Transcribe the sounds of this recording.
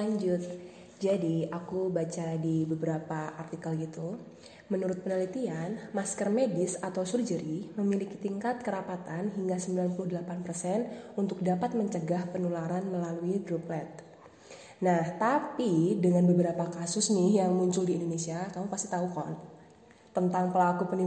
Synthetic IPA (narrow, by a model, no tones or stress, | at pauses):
laɲd͡ʒʊt̪̚ | d͡ʒadiakubat͡ʃadibəbəɾapaart̪ikalit̪u | mənuɾʊt̪̚pənəlit̪ianmaskərmedɪsat̪awsurd͡ʒəɾiməmiliki̥t̪iŋkat̪̚kəɾapat̪anɦiŋɡasəmbilanpulʊdəlapanpərsɛnunt̪ʊk̚dapat̪̚məɲt͡ʃəɡahpənulaɾanməlaluidɾuplɛt̪̚ | naht̪apidəŋanbəbəɾapakasʊsnɪhjaŋmuɲt͡ʃʊldiːndonesiakamupast̪i̥t̪aukɔn | t̪ənt̪aŋpəlakupəni